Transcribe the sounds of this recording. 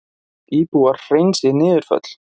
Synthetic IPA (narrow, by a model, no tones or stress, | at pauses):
iːpuːaɾr̥ejnsɪnɪːðʏɾ̥fœ̰t̪l̥